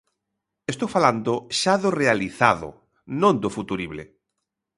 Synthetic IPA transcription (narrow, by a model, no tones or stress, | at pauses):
est̪owfaland̪oʃaðorealiθaðʊ̰ | nõnd̪ofut̪uɾiβlḛ